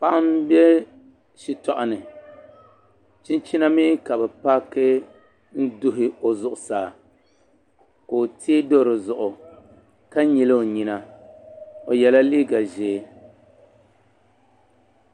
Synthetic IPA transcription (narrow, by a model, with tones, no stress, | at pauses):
pa˦ʔa˦m˦bɛ˦ | ʃi˨tɔ˨ʔa˨nɨ˨ | t͡ʃi˦nt͡ʃi˦na˦miː˦ka˨bɛ˨pa˦kɨ˦ | n̩˦dʊ˦ɦɪ˦o˨zʊ˨ʔʊ˨saː˨ | ko˨tʰeː˦do˦ɾɨ˨zʊ˨ʔʊ˨ | ka˦ɲi˨lɨ˦o˨ɲi˨na˨ | o˨jɛ˨la˦liː˦ɡa˨ʒeː˨˦